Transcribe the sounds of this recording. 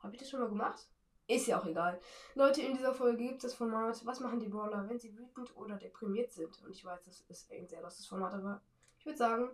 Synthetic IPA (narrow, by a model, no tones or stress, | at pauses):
haːbəɪçd̥asʃoːnmaːlɡəmaχt | ʔɪstjaːaʊxeɡaːllɔʏtəɪndiːzɐfɔlɡəɡiːp̚tsd̥asfɔɐmaːtvasmaχn̩diːbɔɐlɐvɛnziːvyːtn̩tʔoːdɐdepʁ̥imiːɐtz̥ɪntʰʊntɪçv̥aɪsd̥asɛsɪ̰ɐɡŋntz̥eːɐlastə̥sfɔɐmaːtdavaː | ʔɪçv̥ʏɐdəzaːɡŋ̩